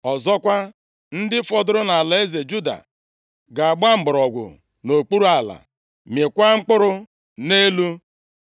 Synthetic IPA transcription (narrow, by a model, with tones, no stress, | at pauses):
ɔ˨zɔ˦kʷa˦ | n̩˦dɪ˦fɔ˦dʊ˦ɾʊ˦na˨la˨e˦ze˨d͡ʒu˦da̰˨ | ɡa˨a˨ɡ͡ba˦m̩˨bʊ˨ɾɔ˨ɡʷʊ̰˨ | no˨k͡pu˦ɾu˦a˨la̰˨ | mje˨kʷa˦ŋ͡m̩˦k͡pʊ˦ɾʊ˦ | ne˦lu˦